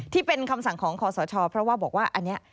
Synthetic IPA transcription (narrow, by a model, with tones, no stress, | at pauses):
t̪ʰiː˥˩pe˧nkʰa˧msa˨˩ŋkʰɔː˩˦ŋkʰɔː˨˩˦sɔː˩˦t͡ɕʰɔː˧pʰɾɔ˦˥waː˥˩bɔː˨˩k̚waː˥˩ʔa˧nːi˦˥ɐ